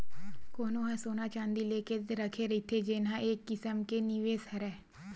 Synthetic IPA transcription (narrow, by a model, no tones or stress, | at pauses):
koːnõːɦãːsoːnaːt͡ʃãːnd̪iːleːkeːt̪eɾəkʰeːɾɪt̪ʰːeːd͡ʒeːnãːʔeːkːɪsəmkeːnɪʋeːsəɾɛː